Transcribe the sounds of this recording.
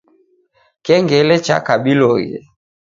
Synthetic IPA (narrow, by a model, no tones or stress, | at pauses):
kɛŋɡɛlɛt͡ʃa̰kaɓilɔjɛ̰